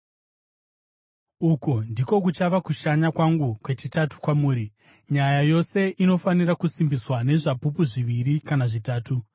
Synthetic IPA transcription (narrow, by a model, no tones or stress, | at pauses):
ukundiko̞k̬ut͡ʃaʋakuʃaɲakwaŋɡukwe̞t͡ʃitatu̥kwamuːɾi | ɲajajo̞se̞ʔino̞fanirakusimbiswane̞ʐapupuʐiʋiɾikanaʐitaːtu